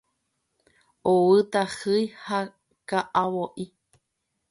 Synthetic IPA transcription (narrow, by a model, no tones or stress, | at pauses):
owɨt̪ahɨjha | kaʔawoʔi